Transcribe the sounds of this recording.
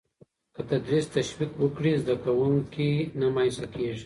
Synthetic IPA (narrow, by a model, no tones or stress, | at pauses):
kət̪ad̪ɾist̪aʃwikwəkɽizd̪akawuŋkinamajsakeʐi̥